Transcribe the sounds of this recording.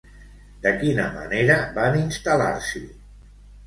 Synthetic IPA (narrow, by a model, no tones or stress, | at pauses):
d̪əkinəmə̰neɾəbaninst̪əla̰ɾsi